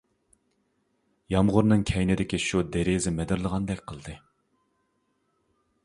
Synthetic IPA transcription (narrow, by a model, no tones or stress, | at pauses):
jɑmʁʊɾnɨŋkʲʰɛjnɪd̪ɪkʲiʃud̪eɾezɪmɛd̪ɪɾlˠəʁɑnd̪ɛkʲqʰəlˠd̪ɨ